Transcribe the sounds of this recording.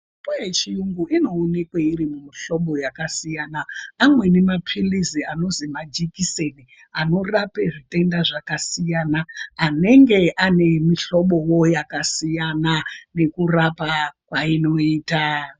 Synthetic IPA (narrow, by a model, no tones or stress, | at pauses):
pujet͡ʃijuŋɡuʔino̞ːne̞kweiɾimumiɬo̞ɓo̞jakasijaːnaːmwe̞ne̞mapʰiliziano̞zimad͡ʒikiseni | ano̞rape̞ʐite̞ndaʐakasijaːnaːne̞ŋɡe̞ʔane̞miɬo̞ɓo̞wo̞jakasijanane̞kurapakwaino̞iːta